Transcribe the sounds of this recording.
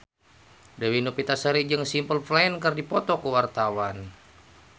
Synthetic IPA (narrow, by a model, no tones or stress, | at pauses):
dəwinupit̪asəɾid͡ʒəŋsimpəlflaənkərdipɔt̪ɔkəwart̪awan